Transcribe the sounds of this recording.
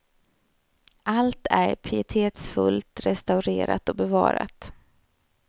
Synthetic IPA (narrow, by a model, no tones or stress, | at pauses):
ʔalt̪ʰæɾpʰɪɪt̪ʰeːt̪sfɵlt̪ɾɛst̪aʉɾeːɾa̰t̪ɔbɛvɑ̰ːɾa̰t̪